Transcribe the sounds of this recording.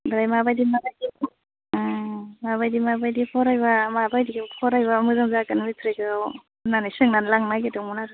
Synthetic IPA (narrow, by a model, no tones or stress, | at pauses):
bɾajmabajdimabajdipʰɔ | maβajdimabajdipʰɔɾajbamabajdiɡpʰɔɾajβamɯzaŋzakanmitʰɾekɯw | nanisɯŋnanlaŋmaɡetɯŋmunaɾ